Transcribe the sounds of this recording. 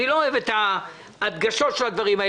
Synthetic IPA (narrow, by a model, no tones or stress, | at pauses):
nilo̞ːevet̪aː | d̪ɡaʃo̞tʃelad̪vaʁimae